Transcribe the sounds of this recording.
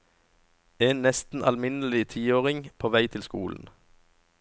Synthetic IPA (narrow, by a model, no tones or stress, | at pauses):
eːnnɛst̪n̩ʔɑ̰lmɪnəl̩ɪt̪ʰiːoːʁɪŋpʰoːʋæɪt̪ʰɪlskuːln̩